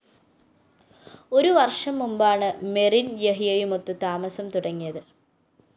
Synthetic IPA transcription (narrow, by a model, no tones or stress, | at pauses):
o̞ɾuʋɐrʂɐmːumbaːɳɨmerinjeɦijɐjumot̪ːut̪aːmɐsɐmt̪uɽɐŋːijɐðɨ